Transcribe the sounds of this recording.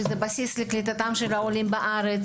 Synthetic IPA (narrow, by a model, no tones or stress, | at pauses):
zebasisleklit̪̬at̪amʃelaolimbaʔaʁet͡s